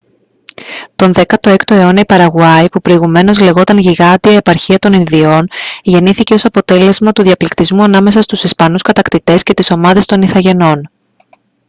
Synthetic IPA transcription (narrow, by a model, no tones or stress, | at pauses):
t̪o̞nðe̞kɐt̪o̞e̞kt̪oe̞o̞nɐipɐɾɐɣuɐipupɾo̞iɣume̞no̞zle̞ɣo̞t̪ɐnʝiɣɐt̪iɐie̞pɐɾçiɐt̪o̞ninðio̞nʝe̞niθice̞o̞sɐpo̞t̪e̞le̞zmɐt̪uðiɐplikt̪izmuɐnɐme̞sɐst̪usispɐnuskɐt̪ɐkt̪it̪e̞sce̞t̪iso̞mɐðe̞st̪o̞niθɐʝe̞no̞n